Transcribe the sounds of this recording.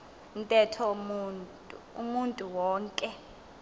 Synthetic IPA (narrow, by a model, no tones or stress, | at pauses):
un̩tʼɛtʰɔmʼ | umuntʼuwɔːŋkʼɛ